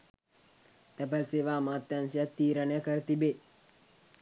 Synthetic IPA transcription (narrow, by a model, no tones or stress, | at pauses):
t̪ɐpəɾseːʋaːmaːt̪jɐnsjat̪ːiːɾənjɐkəɾt̪ibe